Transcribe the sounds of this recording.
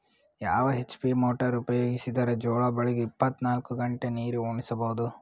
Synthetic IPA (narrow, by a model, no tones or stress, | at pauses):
ja̰ːʋɐɦet͡ʃːpiːmoːʈɐɾupɐjoːɡisid̪ɐɾɐd͡ʒoːɭɐbɐɭiɡeipːɐt̪naːlkuɡɐɳʈeniːɾuoːɳisɐbɐɦud̪u